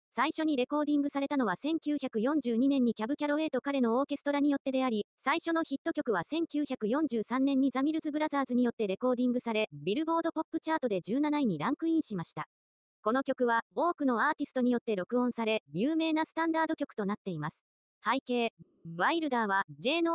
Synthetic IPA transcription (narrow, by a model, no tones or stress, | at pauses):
saiɕo̞ɲ̟iɾe̞ko̞ːd̪ʲĩŋɡɯ̟saɾe̞t̪ano̞βasẽ̞ŋkʲɨːçakɯ̟jõ̞ɲ̟d͡ʑɨːɲ̟inẽ̞ɲ̟ːikʲabɯ̟kʲaɾo̞e̞ːt̪o̞kaɾe̞no̞oːke̞sɨ̥t̪o̞ɾaɲ̟ijo̞t̪ːe̞d̪e̞aɾʲisaiɕo̞no̞çit̪ːo̞kʲo̞kɯ̟β̞asẽ̞ŋkʲɨːçakɯ̟jõ̞ɲ̟d͡ʑɨːsãnːẽ̞ɲ̟ːizamʲiɾɯ̟zɨbɯ̟ɾazaːzɨɲ̟ijo̞t̪ːe̞ɾe̞ko̞ːd̪ʲĩŋɡɯ̟saɾe̞bʲiɾɯ̟bo̞ːd̪o̞po̞pːɯ̟t͡ɕaːt̪o̞d̪e̞d͡ʑɨːnanaiɲ̟iɾãŋkɯ̟ĩɰ̃ɕimaɕi̥t̪a | ko̞no̞kʲo̞kɯ̟βao̞ːkɯ̟no̞aːt̪ʲisɨ̥t̪oɲ̟ijo̞t̪ːe̞ɾo̞kɯ̟õ̞ɰ̃saɾe̞jʲɯːme̞ːnasɨ̥t̪ãnd̪aːd̪o̞kʲo̞kɯ̥t̪o̞nat̪ːe̞imasɨ̥ | haike̞ː | βaiɾɯ̟d̪aːβ̞ad͡ʑe̞ːno